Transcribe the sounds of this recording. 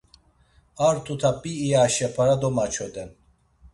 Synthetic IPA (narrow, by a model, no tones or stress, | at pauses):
aɾt̪ʰut̪ʰabiːjaʃɛpʰaɾad̪ɔmat͡ʃʰɔd̪ɛn